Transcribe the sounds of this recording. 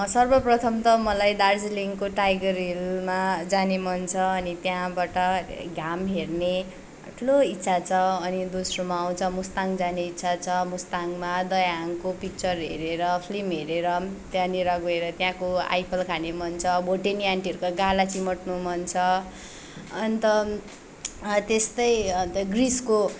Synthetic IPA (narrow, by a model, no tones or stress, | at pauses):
sʌrbʌprʌt̪ʰʌmt̪ʌmʌlajd̪ard͡zliŋkoʈajɡʌrilmad͡zanemʌnt͡sʰʌːnit̪jãbaʈʌɡʱamɦerne | ʈʰuloit̪ːsʰat͡sʰʌʌnid̪osromaːw̃t͡sʰʌmust̪aŋd͡zaneitːsʰat͡sʰʌmust̪aŋmad̪ʌjaŋkopik̚t͡sʌrɦḛɾeɾʌpʰlimɦeɾeɾʌt̪jãniɾaɡoeɾʌt̪jãkoa̰jpʰʌlkʰanemʌnt͡sʰʌbʱoʈeniaɳʈiʌɾukaɡalat͡simʌʈnumʌnt͡sʰʌ | ʌnit̪ʌ | t̪est̪ʌj̪ɡrisko